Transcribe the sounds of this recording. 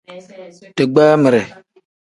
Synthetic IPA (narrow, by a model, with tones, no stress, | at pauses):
tɨ˨ɡ͡baː˦mɪ˨ɾɛ˨